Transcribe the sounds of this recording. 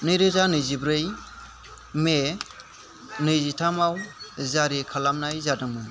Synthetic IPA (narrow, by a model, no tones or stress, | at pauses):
nɯjɾɯzanɯjzibɾɯj | me | nɯjzitʰamawzaɾikʰalamnajzadɯŋmɯn